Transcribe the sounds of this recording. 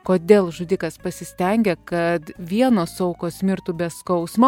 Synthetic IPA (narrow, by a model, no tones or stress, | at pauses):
koːd̪ʲeːlˠʒʊd̪ʲikɐspɐsʲɪsʲt̪ʲɛŋʲɡʲɛkɐt̪ʋʲiɛnoːsɐʊkoːsʲmʲɪɾt̪uːbʲɛskɐʊsmɐ